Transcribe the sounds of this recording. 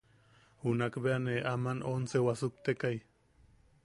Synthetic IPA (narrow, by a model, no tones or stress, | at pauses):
hunakbeaneʔamanonsewasuk̚t̪ekaj